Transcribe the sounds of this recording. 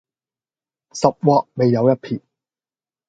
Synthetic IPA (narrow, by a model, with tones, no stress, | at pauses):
sɐ˨p̚wɔː˧k̚me˨˧jːɐ˨˧wjɐ˥t̚pʰiː˨˩